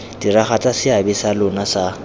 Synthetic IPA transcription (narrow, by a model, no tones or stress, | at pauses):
d̥iraχat͡sʼasɪabɛsalʊnasa